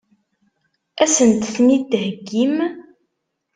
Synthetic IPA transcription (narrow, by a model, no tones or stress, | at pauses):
æsənt̪θnid̪ɦəɡːim